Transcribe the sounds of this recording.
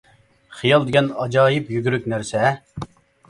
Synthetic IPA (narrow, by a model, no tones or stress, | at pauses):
χijɑlˠd̪ɪɡʲɛnɑd͡ʒɑːjɪpjyɡʲyɾykʲnæɾsɛ